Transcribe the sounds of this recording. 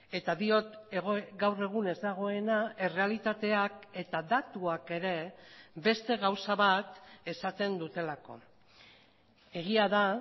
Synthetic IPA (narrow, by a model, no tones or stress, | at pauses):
e̞t̪aðio̞t̪eɣoɡawre̞ɣ̞une̞zd̪aɣ̞o̞e̞nae̞re̞alit̪at̪e̞ake̞t̪aðat̪uake̞ɾe̞be̞st̪e̞ɣawsaβat̪e̞sat̪e̞nd̪ut̪e̞lako̞̰ | e̞ɣiaða